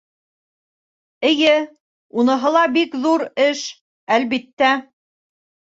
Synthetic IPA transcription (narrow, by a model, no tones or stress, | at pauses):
ɘ̆jɘ | unɤ̆ɦɤ̆lˠɑbikðuɾɘʃ | ælβit̪ːæ